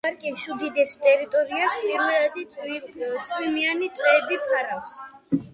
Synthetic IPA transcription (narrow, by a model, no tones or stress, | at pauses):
aɾkʼiʃud̪id̪ɛst̪ʼɛɾit̪ʼɔɾiaspʼiɾmɛlad̪i | t̪sʼwimianit̪ʼqʼɛːbipʰaɾafs